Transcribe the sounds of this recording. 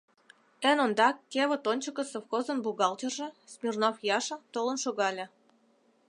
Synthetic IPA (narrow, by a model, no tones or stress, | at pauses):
ə̆nond̪ɑkkʲeβə̆t̪onʲt͡ɕə̆kə̆sofxozə̆nbuɣɑlt̪ʲerʒĕsmʲirnofjɑʃɤ̆t̪olə̆nʃoɣɑlʲĕ